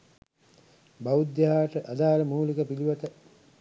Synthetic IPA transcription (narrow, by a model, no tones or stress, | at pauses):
bawud̪jaɦaːʈəʔad̪aːləmuːlikəpiliʋat̪ə